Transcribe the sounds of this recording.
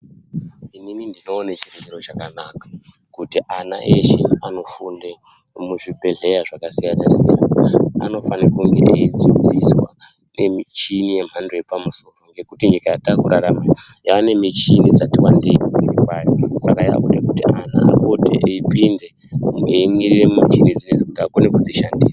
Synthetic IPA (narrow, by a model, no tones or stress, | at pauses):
inimindino̞ːnet͡ʃiret͡ʃiro̞t͡ʃakanakḁ | kutiʔana̰ʔeʃḛano̞funde | muʐibʱe̞ɮe̞jaʐakasijanasija̰na̰aa̰no̞fanakuŋɡe̞ʔeid͡zid͡ziswa | ne̞mit͡ʃinije̞m̤andoje̞pamuso̞ro̞ŋɡe̞kutiɲikajatakuɾaɾamajaːne̞mit͡ʃinid͡zatiwandeipokurikwajosakaja̰ʔudekutiana̰a̰kotḛʔeipinde̞ | emwiremat͡ʃinid͡zined͡zekutiakonekud͡ziʃandiːsa